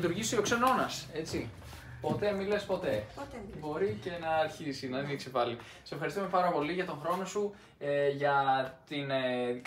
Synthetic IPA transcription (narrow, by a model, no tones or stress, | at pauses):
t̪uɾʝist̪oiokse̞no̞nɐse̞t͡si | po̞t̪e̞mile̞spo̞t̪e̞bo̞ɾice̞nɐːɾçisinɐðiniksipɐli | sese̞fxɐɾist̪ume̞pɐɾɐpo̞liʝɐt̪o̞ŋxɾo̞no̞su | eʝɐt̪in